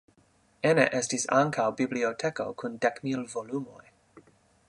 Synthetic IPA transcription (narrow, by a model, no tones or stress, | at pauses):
enḛʔestisa̰ŋkawbibliotʰeko̰kʰundekmilvolumo̞j